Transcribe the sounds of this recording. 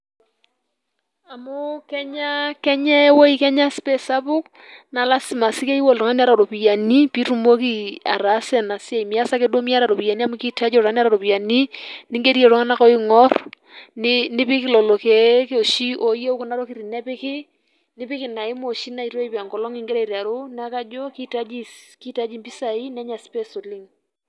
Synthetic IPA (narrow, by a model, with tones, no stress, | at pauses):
a˨mʊ˦kɛ˦ɲa˦kɛ˦ɲɛ˦wo˦i˦kɛ˦ɲa˦spe˦sa˦pʊ˦k | na˨la˦si˨ma˨si˦ke˦i˦wo˦˨ltɔ˨ŋa˦ni˦a˦ɾa˨ɾo˨pi˨ja˨ni˦pi˦tu˦mo˦ki˦a̰˨ɾa˨˦sɛ˨na˨si˦e˨i˨mi˨a˦sa˦ke˦do˦mi˦a˦ɾa˨ɾo˨pi˨ja˨ni˦a˦mu˦ki˦ta˦d͡ʒɔ˦˨ɾa˦ni˦a˦ɾa˨ɾo˨pi˨ja˨ni˦ni˦ŋɡe˦ɾi˦e˨ɾo˦ŋa˦na˦kɔ˦i˦ŋɔ˦r | nɪnɪ˦pɪ˦kɪ˦lɔ˨lo˨ke˨˦ke˦o˨ʃi˦ʔo˨je˦u˦ku˦na˦ɾo˦ki˦˨ɾi˨nɛ˦pɪ˦kɪ˦ | nɪ˦pɪ˦kɪ˨na˨ɪ˦mo˨ʃi˦na˨i˨ɾo˦i˦pa˨ŋɡɔ˨lɔ˦ŋi˦ŋɡe˦ɾe˦i˨ɾa˨ɾo˦na˦ka˦d͡ʒo˦ki˦ta˦d͡ʒi˦ki˦ta˦d͡ʒi˦mpi˦sa˨i˦nɛ˦ɲa˨spɛ˦so˨li˦ŋ